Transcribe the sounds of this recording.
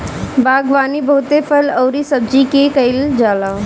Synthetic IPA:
baːɡʋaːnibəɦʊt̪epʰəlɐwɾisəb̚d͡ʒikekəɪld͡ʒaːlaː

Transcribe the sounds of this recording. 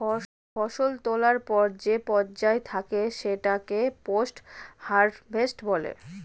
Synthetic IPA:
fɔʃolt̪olaɾpɔɾd͡ʑepɔɾd͡ʑaet̪ʰakeʃeʈakeposʈhaɾɖbʱesʈbɔlḛ

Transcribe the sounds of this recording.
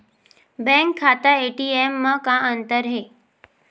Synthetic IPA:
bɛ̃ŋkʰːat̪aeʈiemːəkãənt̪əɾɦe

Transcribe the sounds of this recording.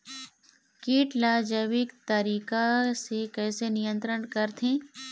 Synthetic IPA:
kiːʈlaːd͡ʒəʋɪkt̪əɾiːkasekɛːsenɪjə̃nt̪ɾəɳkəɾt̪ʰẽː

